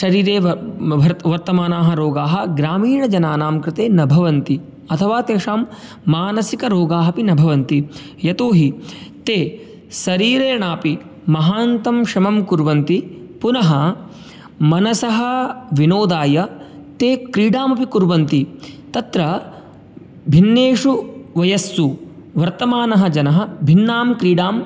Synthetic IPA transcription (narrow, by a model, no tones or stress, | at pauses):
ʃɐɾiːɾeːʋɐɾʋɐɾt̪ɐmaːnaːɦɐ̆ɾoːɡaːɦɐ̆ɡɾaːmiːɳɐd͡ʒɐnaːnaːmkɾɪt̪eːnɐbʱɐʋɐnt̪i | ɐt̪ʰɐʋaːt̪eːʂaːmː | aːnɐsikɐɾoːɡaːɦɐpinɐbʱɐʋɐnt̪i | jɐt̪oːɦit̪eː | sɐɾiːɾeːɳaːpi | mɐɦaːnt̪ɐmʂɐmɐmkuɾʋɐnt̪i | punɐɦɐ | mɐnɐsɐɦɐʋinoːd̪aːjɐt̪eːkɾiːɖaːmɐpikuɾʋɐnt̪it̪ɐt̪ɾɐ | bʱinːeːʂuʋɐjɐsːu | ʋɐɾt̪ɐmaːnɐɦɐ̆d͡ʒɐnɐɦɐbʱinːaːmkɾiːɖaːm